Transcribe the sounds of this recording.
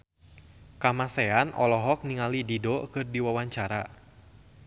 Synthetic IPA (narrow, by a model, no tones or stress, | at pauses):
kamasɛanʔɔlɔɦɔk̚niŋalididɔkɨrdiwawaɲt͡ʃaɾa